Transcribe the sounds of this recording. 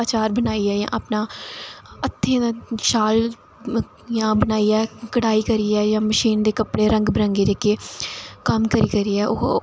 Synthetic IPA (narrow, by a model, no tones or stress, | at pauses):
aːt͡ʃaːɾbənaːiːɛːjã̰ːʔəpnaː | ət̪ʰːẽːʃaːl | jãːbənaːiːɛːkəɽaːiːkəɾiːɛːjãːməʃiːnd̪eːkəpɽeːɾə̃ŋɡbəɾə̃ŋɡiːɾeːkeːkəmkəɾiːkəɾiːɛːʔʊɦ